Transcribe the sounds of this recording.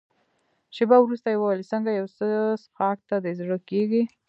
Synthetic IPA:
ʃɪbawɾust̪ajewalisəŋɡajawsəsxɑk̚t̪ad̪ezɽəkeɡi

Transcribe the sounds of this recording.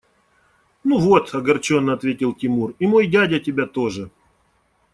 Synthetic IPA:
nuvot̪ɐɡɐrt͡ɕo̞nːəɐt̪vʲetʲɪlˠtʲɪmurimo̞jdʲadʲətʲɪbʲat̪o̞ʐɨ

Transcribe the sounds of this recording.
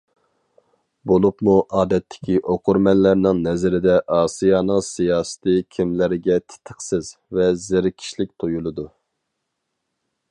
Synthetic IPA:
bolˠupmuʔɑːd̪ɛt̪ʰːɪ̥kʲʰiʔoqʰʊɾmɛnlːæɾnɨŋnɛzɪɾɪd̪ɛʔɑːsijɑnɨŋsijɑːsɨ̥t̪ʰɨkʲʰimlɪɾɡʲɛt̪ʰɪ̥t̪ʰəχsɪzvɛzɪɾkʲʰi̥ʃlɪk̚ʲt̪ʰojulˠɨd̪u

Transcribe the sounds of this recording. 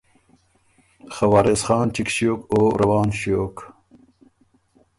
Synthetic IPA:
xɐwaːɾesχɑːnt͡ɕikɕjoːkoːɾɐwɑːnɕjoːk

